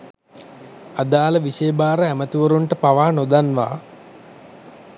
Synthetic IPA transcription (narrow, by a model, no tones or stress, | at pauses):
ad̪aːləʋisejːbaːɾəæmət̪uʋɐɾuɳʈəpaʋaːnod̪anʋa̰ː